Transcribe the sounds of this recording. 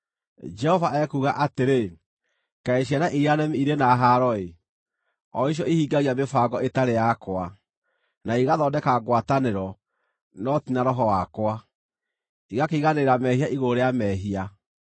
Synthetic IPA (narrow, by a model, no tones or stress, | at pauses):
d͡ʒɛhɔvaʔɛkuɣaʔateɾe | kaeɕ̬ianaʔiɾianɛmiiɾenaɦaɾɔe | ɔiʃ̬jɔihiːɡaɣiamefaːɡɔetaɾejakwa | naiɣaðɔdɛkaɣwataneɾɔ | nɔtinaɾɔɦɔwakwa | iɣakeiɣaneɾamɛhiaʔiɣoɾeamɛɦia